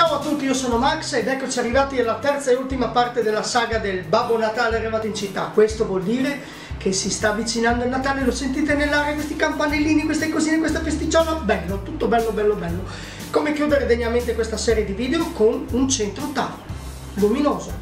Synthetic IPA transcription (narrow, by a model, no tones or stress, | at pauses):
t͡ʃaːoat̪ːut̪ːiiosoːnomaksed̪ɛkːot͡ʃiarːivaːt̪ialːat̪ɛrt̪saeult̪imapart̪ed̪elːasaːɡad̪elbabːonat̪aːlearːivaːt̪oint͡ʃit̪ːa̰kwest̪ovwɔld̪iːɾe | kʰesist̪aːvːit͡ʃinand̪oilnat̪aːlelosent̪̬iːt̪enelːaːɾjakwest̪ikampanelːiːnikwest̪ekoziːnekwest̪afest̪it͡ʃɔlabɛlːot̪ut̪ːobɛlːobɛlːobɛlːo | komekjuːd̪eɾed̪eɲːament̪ekwest̪asɛːɾjed̪iviːd̪eokonunt͡ʃent̪ɾot̪a̰ | dominoːzo